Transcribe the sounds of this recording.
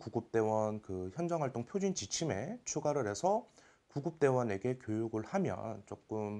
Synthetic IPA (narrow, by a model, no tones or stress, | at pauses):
kuɡop̚t͈e̞wʌnkɯçjʌnd͡ʑʌŋɦwaɭt͈oŋpʰjod͡ʑɥint͡ɕit͡ɕʰime̞t͡ɕʰuɡaɾɯɾɦe̞sʰʌ | kuɡop̚t͈e̞wʌne̞ɡe̞kjojuɡɯɭhamjʌ̰nt͡ɕ͈ok͈ɯm